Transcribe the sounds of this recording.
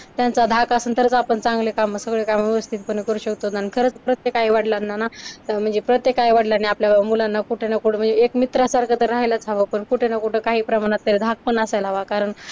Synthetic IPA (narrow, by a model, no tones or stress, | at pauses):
t̪jant͡sad̪ʱakasənt̪əɾt͡səapəɳt͡sãŋɡlekaməsəɡɭekamʋeʋəst̪ʰit̪̚pəɳkəɾuːɕəkt̪ot̪nankʰəɾəːt͡spɾət̪jekaɦiːʋaʈlanːanaəm̤əɳd͡zepɾət̪jekaiʋaʈlaniapljamulanːakuʈʰenakuʈəm̤əɳnd͡zeekmit̪ɾasaɾkʰət̪əɾːaɦjlat͡sʰaʋəpəɳkuʈʰenakuʈʰekaɦiːpɾəmaɽ̃at̪ːeɾed̪ʱak̚pəɳasajlaʋakaɾəɳ